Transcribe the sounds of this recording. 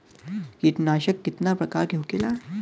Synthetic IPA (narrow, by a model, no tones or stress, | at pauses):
kit̪naɕəkːit̪napɾəkaːɾɡʱjokela